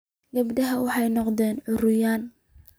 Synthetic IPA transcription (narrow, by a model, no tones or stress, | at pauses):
ɡɐbd̪ɐɦɐwɑħɑjnɔqd̪ɛːnʕʊrʊjaːn